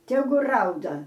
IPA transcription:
ˈtʲæːɡʊ ˈrɐʊdɐ

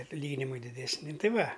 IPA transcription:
ɐtʲˈlʲiːɡʲɪnʲɪmɐɪ dʲɪdʲɛsʲˈnʲɪ ˈtʲɪ ˈʋɐ

